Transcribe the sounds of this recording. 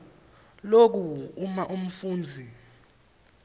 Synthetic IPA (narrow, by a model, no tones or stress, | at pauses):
lok̬uumaʔum̩fuːnd͡zʱi